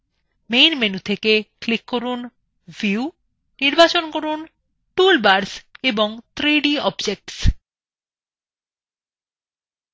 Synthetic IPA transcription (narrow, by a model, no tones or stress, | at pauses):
mejnmenut̪ʰekeklikːoɾun | viu | niɾbat͡ɕonkoɾun | ʈulbaɾseboŋt̪ʰɾiɖiɔbd͡ʑek̚ʈs